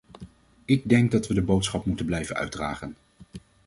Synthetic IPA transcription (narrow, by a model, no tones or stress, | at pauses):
ɪɡ̚dɛŋk̚dɑtʋədəbowtsχɑpmutənblɛjvənœ̰ɥdra̰ːχən